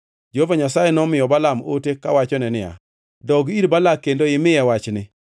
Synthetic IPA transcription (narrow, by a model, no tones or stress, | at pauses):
d͡ʒehovaɲasajɛnɔmɪjɔbalamo̰tekawat͡ʃɔnɛnɪja̰ | dɔɡiɾbalakendoɪmɪjɛwat͡ʃnɪ